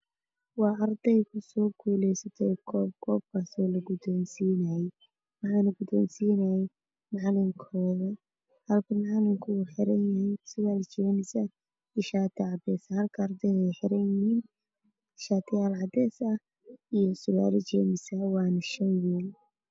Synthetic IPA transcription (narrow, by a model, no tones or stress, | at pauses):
wɑːʔɑrd̪ɛjkʰʊsɔːkʰuːlɛjsɐt̪ʰɛjkʰɔːb̚kʰɔːb̚kʰaːsɔːlɐɡʊd̪ɔːnsiːnajɛj | wɑħɑːnɐɡʊd̪ɔːnsiːnɐjɛ | mɑʕlɪŋkʰɔːðɐ | hɐlkʰɐmɑʕlɪŋkʰʊːħɪɾɐnjɐɛjsʊlaːlt͡ʃɛːnɪsɐ | ɛʃaːt̪ʰɪʕɑd̪ɛːsɐhɐlkʰɐːrd̪ɛjɛjħɪɾɐnjɪhiːn | ʃaːt̪ʰɪjaːlʕɑd̪ɛːsɐh | ijɔsʊla̰ːlɪt͡ʃɛːmɪsɐwɑːnɐʃɐnwiːl